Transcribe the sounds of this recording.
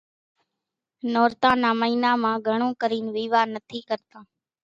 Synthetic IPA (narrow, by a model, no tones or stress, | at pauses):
noːɾt̪ãːnaːməiːnãːmãːɡʱəɳ̃õːkəɾiːnʋiːʋaːnət̪ʰiːkəɾt̪ãː